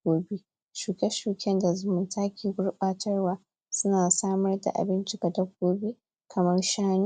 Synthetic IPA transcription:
ɡoː˦bi˦ | ʃuː˨kʲɛ˦ʃuː˨kʲɛ˦nda˨zʊ˦mʊ˨ntʰaː˦kʲeː˨ɡʷʊ˦rɓaː˦tʰɐ˦rwaː˦ | sʊ˦naː˨saː˦mɐ˦rda̰˨ʔa̰˨bɪ˦nt͡ʃɪ˦ka˨dɐ˦ɡ̚ʷoː˦bi˦ | kʰɐ˨mɐ˦rʃaː˦nu˦˨

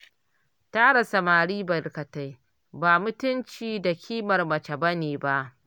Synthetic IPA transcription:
taː˦ɽa˨sɐ˨maː˨ɽiː˦bɐ˨ɾkɐ˨ta˦j | baː˨mʊ˦tʊ˦nt͡ʃiː˨da˨kʲʰiː˦mɐ˨rmɐ˨t͡ʃɐ˨bɐ˦neː˨ba˦ʔ

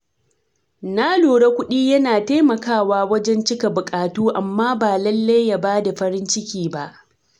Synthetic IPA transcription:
naː˦loː˨ɽa˦kʷʊ˦ɗiː˦jɐ˦naː˨ta˦mɐ˨kaː˦˨waː˦wɐ˦d͡ʒɛ˦nt͡ʃɪ˦ka˨bʊ˨kʼaː˨tuː˦ʔa˨mːaː˦baː˨lɐ˦lːa˦jːa˨baː˦da˨ɸɐ˦ɾɪ˦nt͡ʃɪ˦kʲiː˦ba˦ʔ

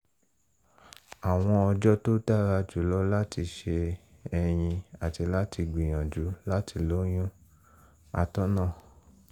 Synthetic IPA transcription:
a˨w̃ɔ̃˧ɔ˧d͡ʒɔ˦to˦ta˦ɾa˧d͡ʒu˨˦˨lɔ˦la˦ti˧ʃe˧ | ɛ˧j̃ĩ˧a˨ti˧la˦ti˧ɡ͡bĩ˨j̃ã˨d͡ʒu˨˦la˦ti˧lo˦j̃ũ˦ | a̰˧tɔ̃˦nã˦˨

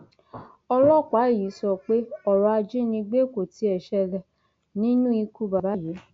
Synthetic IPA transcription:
ɔ˧lɔ˦˨k͡pa˨˦˨ji˨˦sɔ˧˨k͡pe˦ɔ˦˨ɾɔ˧a˧d͡ʒi˦nĩ˧ɡ͡be˦˨ko˨ti˨˦ɛ˨ʃɛ˧lɛ˧˨ | nĩ˦nũ˦i˧ku˧ba˨ba˨˦ji˨˦

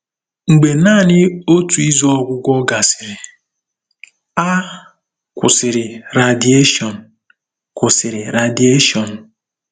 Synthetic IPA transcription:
ŋ̩˨ɡ͡be˨naː˦˨nɪ˦o˦tu˨i˦zu˦ɔ˦ɡʷʊ˦ɡʷɔ˦ɡa˨sɪ̥˨ɾɪ˨ | a˦ | kʷʊ̰˨sɪ˨ɾɪ˨ɾa˨di˨˦e˦ʃɔ˨n̩˨ | kʊ˨sɪ˨ɾɪ˨ɾa˨di˦e˦ʃɔ˨n̩˨

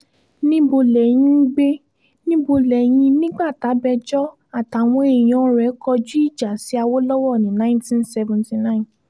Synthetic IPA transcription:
nĩ˦bo˧lɛ˨j̃ĩ˧˦ɡ͡be˦ | nĩ˦bo˧lɛ˨j̃ĩ˧nĩ˦ɡ͡ba˦˨ta˨˦bɛ˧d͡ʒɔ˦ | a˦˨ta˨w̃ɔ̃˧˦e˦˨j̃ɔ̃˨˦ɾɛ˨˦kɔ˧d͡ʒu˦i˦˨d͡ʒa˨si˨˦a˧wo˦lɔ˦wɔ˦˨nĩ˨˦nã˦ntĩ˦nsɛ˧vɔ̃˨nti˨nã˦ĩ˨n

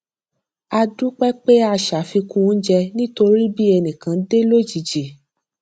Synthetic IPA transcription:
a˧du˦k͡pɛ˦k͡pe˦a˧ʃa˨fi˧kũ˦d͡ʒɛ˧nĩ˦to˧ɾi˦bi˦ɛ˧nĩ˨kã˨˦de˦lo˦d͡ʒi˨d͡ʒe˨

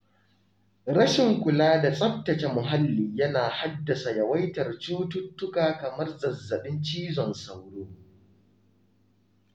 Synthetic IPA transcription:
ɽɐ˦ʃɪ˨ŋkʷʊ˨laː˦da˨sʼɐ˦p̚tɐ˨t͡ʃe˨mʊ˨ɦa˦lːiː˨jɐ˦naː˨ha˦dːɐ˨sa˨jɐ˨wɐ˦jtɐ˨rt͡ʃuː˦tʊ˦tːʊ˦kaː˨kɐ˨mɐ˦rzɐ˨zːɐ˨ɓɪ˦nt͡ʃiː˦zɔ˨nsa˨wɽoː˦

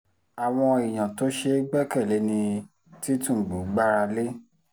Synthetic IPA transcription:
a˨w̃ɔ̃˧i˨j̃ã˨to˦ʃe˧˦ɡ͡bɛ˦˨kɛ˦˨le˨˦nĩ˧ | ti˦tũ˦˨ɡ͡bu˨˦ɡ͡ba˦ɾa˧le˦

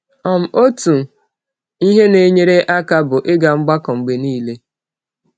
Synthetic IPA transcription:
ɔ˨m̩˨o˦tu˨ | i˦ɦe˦ne˨˦ɲe˦ɾe˦ʔa˦ka˦bʊ˨ʔɪ˦ɡa˨ŋ͡m̩˦ɡ͡ba˦kɔ˨ŋ͡m̩˨ɡ͡be˨niː˦˨le˦

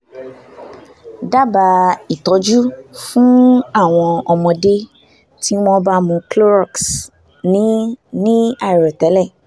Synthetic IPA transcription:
da˦ba˧i˨tɔ˨˦d͡ʒu˦fũ˦a˦˨w̃ɔ̃˧ɔ˧mɔ̃˧de˦ | ti˦mɔ̃˦ba˦mũ˧klo˦ɾɔ˦˨ks | nĩ˦nĩ˦a˦˨i˨ɾɔ˨tɛ˨˦lɛ˦˨

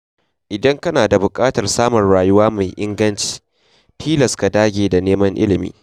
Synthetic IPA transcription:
ʔɪ˨dɐ˦ŋkɐ˦naː˨da˨bʊ˨kʼaː˦tɐ˨rsaː˦mɔ˨rɽaː˨jʊ˦waː˦ma˨jʔɪ˦ŋɡɐ˦nt͡ʃi̥ː˦ | tʰiː˦lɐ˨ska˨daː˦ɡʲeː˨da˨neː˦mɐ˦ŋʔɪ˦lɪ˨mḭː˨˦

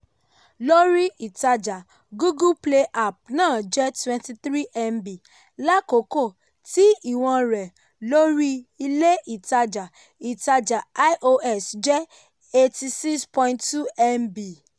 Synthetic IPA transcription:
lo˦ɾi˦i˨ta˧d͡ʒa˨ | ɡu˦ɡu˦ple˧ʔa˨p̚nãː˦˨d͡ʒɛ˦twɛ̃˧nti˧tɾi˦ʔɛ˧mbi˨ | la˦ko˨˦ko˦˨ | ti˦i˦˨w̃ɔ̃˧ɾɛ˨ | lo˦ɾi˦i˧le˦i˨ta˧d͡ʒa˨ | i˨ta˧d͡ʒa˨a˦jʔo˧ʔɛ˦˨sd͡ʒɛ˦ | e˧ti˧si˦kspɔ̃˧ĩ˦ntu˦ɛ˦mbi˨

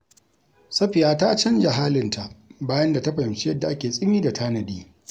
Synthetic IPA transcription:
sɐ˦ɸɪ˨jaː˦ta˦t͡ʃɐ˦nd͡ʒa˨ɦaː˦lɪ˨ntʰa˨ʔbaː˦jɐ˦nda˨ta˦ɸa˨jɪ˨mt͡ʃi˦jɐ˦dːa˨ʔa˦kʲeː˨sʼɪ˦miː˦da˨tʰaː˦nɐ˨diː˦

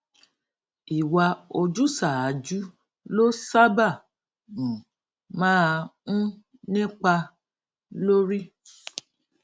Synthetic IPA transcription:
i˨wa˧o˧d͡ʒu˦sa˦˨a˨˦d͡ʒu˦ | lo˦sa˦ba˦˨ | ũ˨ | mãː˦˧ũ˦ | nĩ˦k͡pa˧ | lo˦ɾi˦

